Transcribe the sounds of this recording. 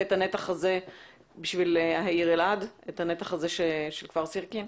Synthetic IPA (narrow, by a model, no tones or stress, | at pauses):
etanetaχaze̞ | biʃvilhaiʁeladethanetaχaze̞ʃeʃelkv̥aʁsiʁkim